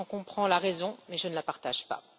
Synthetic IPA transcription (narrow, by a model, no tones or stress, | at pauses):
ɑ̃kɔ̃pχɑ̃laʁɛzɔ̃mɛʒənəlapaʁt̪aʒpa̰